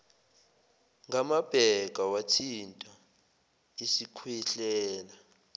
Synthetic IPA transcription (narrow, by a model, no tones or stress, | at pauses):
ŋɡamab̥ʱɛɡ̥ʱawatʰintʼa | isikʰwiɬɛːla